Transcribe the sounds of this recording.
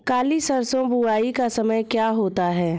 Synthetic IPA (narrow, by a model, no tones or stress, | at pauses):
kaːlisɐɾsõbʱuaːikasɐməjkjaːɦoːt̪aɦɛː